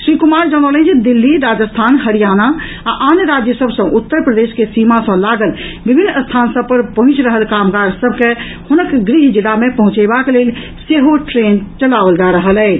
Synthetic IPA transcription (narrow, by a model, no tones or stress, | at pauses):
sɾikumaɾd͡ʒəñələ̃t͡ʃd̪ilːiɾad͡ʒəst̪ʰanɦəɾijana | aʔanɾad͡ʒjəsəbsə̃ʔut̪ːəɾpɾəd̪eskesimasə̃laɡəlbibʱinːəst̪ʰansəb̚pəɾpəɦũt͡ʃɾəɦəlkamɡaɾsəbʱke | hunəkɡɾiɦd͡ʒiɽamepəɦũt͡ʃɛbakelel | seɦoʈɾent͡ʃəlabəld͡ʒaɾəɦəlɛ